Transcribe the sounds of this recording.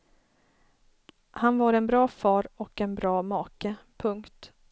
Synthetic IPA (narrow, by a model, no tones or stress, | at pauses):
hanvaɾɛnbɾɑːfɑːɾɔkɛnbɾɑːmɑːkəpʰɵŋkt̪